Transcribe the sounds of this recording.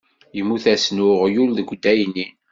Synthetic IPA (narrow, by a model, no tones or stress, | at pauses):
jəmːuθæsnʊʁjulðəɡʷd̪æjnin